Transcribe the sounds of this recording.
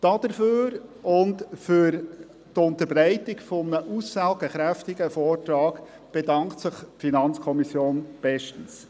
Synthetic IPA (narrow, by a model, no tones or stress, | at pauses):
d̥ɑd̥əɾføːɾʔʊntfʏɾ | tʊntəbɾɛɪtɪɡfɔmnəʔusːælɡəχɾæftɪɡəfɔːrtɾɑːɡ | b̥edɑŋktsəχfinɑnt͡skʰɔmisjoːnb̥ɛʃtən̩s